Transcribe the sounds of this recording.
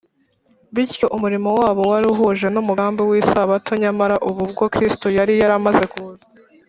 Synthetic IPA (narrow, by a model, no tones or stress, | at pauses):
βiɾjo̞ʔumuɾimo̞waːβo̞waɾuɦuʒe̞numuaːmbiwiːsaβatʰoɲamaɾaʔuβubɡo̞kɾistojaɾijaɾamaze̞kuza